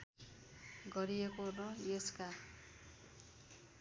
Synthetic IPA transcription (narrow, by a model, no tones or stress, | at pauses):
ɡʌɾiekorʌjeska